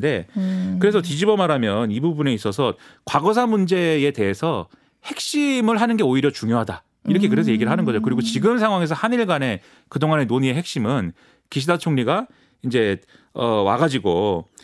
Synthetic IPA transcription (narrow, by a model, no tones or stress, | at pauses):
de̞kɯɾe̞s̬ʰʌtid͡ʑibʌmaɾamjʌnibubune̞is͈ʌsʰʌkwaɡʌsʰamund͡ʑe̞ete̞esʰʌ | he̞k̚ɕ͈imɯɭɦanɯnɡeoiɾjʌt͡ɕuŋjoɦada | iɾʌkʰe̞kɯɾe̞s̬ʰʌje̞ɡiɾɭɦanɯnɡʌd͡ʑokɯɾiɡot͡ɕiɡɯmsʰaŋwaŋe̞sʰʌhaniɭɡane̞ | kɯdoŋane̞noɲie̞ɦe̞k̚ɕ͈imɯn | kiɕ̬ʰidat͡ɕʰoŋɲiɡa | ind͡ʑe̞ | ʌwa̰ɡad͡ʑiɡo